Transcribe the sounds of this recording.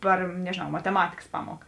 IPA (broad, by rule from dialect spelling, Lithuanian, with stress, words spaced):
ˈpɐr nʲɛʒʲeːˈnɐʊ mɐtʲɛˈmɑːtʲɪkɐs ˈpɑːmuɔkɐ